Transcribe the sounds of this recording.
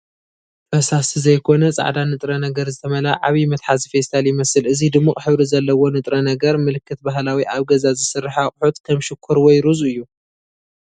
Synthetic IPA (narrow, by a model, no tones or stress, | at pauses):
fɐsasizɐjkʰo̞nɐt͡sʼa̰ʕd̪anɨt̪ʼɾɐnɐɡɐɾzɨt̪ʰɐmɐlaʕaβimɨt̪ħazifest̪ʰaljɪmɐsɨlɨzid̪ɨmːuχʼħɨβɾizɐlːɐwo̞nɨt̪ʼɾɐnɐɡɐɾmɨlɨkːɨt̪̚baɦlawiʔaβɡɐzazɨsɨrːɨħaχʼħut̪kʰɐmʃɪkʰːuɾwɔjɾuzɨjːu